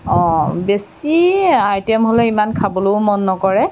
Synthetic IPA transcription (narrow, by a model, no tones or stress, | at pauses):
ɔ̃besiajtɛmɦoleimankʰabɔlomɔnːɔkɔɹɛ